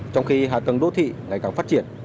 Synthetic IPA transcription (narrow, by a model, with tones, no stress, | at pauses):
t͡ɕɔ˧wŋ͡mxi˧ɦa̰ː˧˨˩t̪ə˨˩ŋɗo̰˧˥t̪ʰḭ˧˨ŋa˨˩jkaː˨˩ŋfaː˦˥t̚t͡ɕi˧˩ən